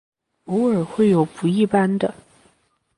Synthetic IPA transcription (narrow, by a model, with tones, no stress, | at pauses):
u˧˥ə˞˨˩xwe˥˩ɪjo˨˩ʊpu˧˥i˥˩pa˥nd̪ə˨